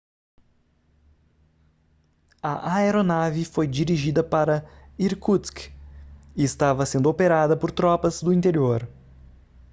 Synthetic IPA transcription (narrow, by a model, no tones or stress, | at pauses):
ɐʔaeɾonavifojd͡ʒiɾiʒid̪ɐpaɾɐiɾkut̪sk | ɪɪst̪avɐsẽnd̪ʊopeɾad̪ɐpoɾt̪ɾɔpɐzd̪ʊĩnt̪eɾioɾ